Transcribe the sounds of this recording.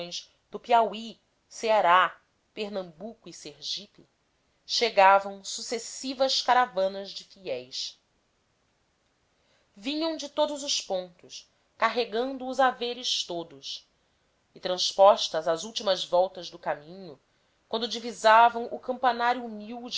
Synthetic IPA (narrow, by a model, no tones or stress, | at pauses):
j̃z | d̪ʊpiawi | seaɾa | peɾnɐ̃mbukʊiseɾʒipi | ʃeɡavɐ̃w̃susesivɐskaɾavɐ̃nɐzd͡ʒɪfiɛjs | vĩɲɐ̃w̃d͡ʒɪt̪od̪ʊzʊspõnt̪ʊs | kaɦeɡɐ̃nd̪ʊːzaveɾɪʃt̪od̪ʊs | ɪt̪ɾɐ̃spɔʃt̪ɐzazuwt͡ʃimɐzvɔwt̪ɐzd̪ʊkamĩɲʊ | kwɐ̃nd̪ʊd͡ʒivizavɐ̃w̃ʔʊkɐ̃mpanaɾjuːmiwd͡ʒ